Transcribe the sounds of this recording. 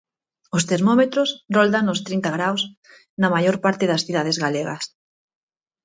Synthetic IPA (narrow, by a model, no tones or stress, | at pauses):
ʊst̪eɾmomet̪ɾʊsrold̪aŋʊst̪ɾint̪ɐɣ̞ɾaws | nɐmajoɾpaɾt̪eðɐsθiðað̞ezɣaleɣɐ̰s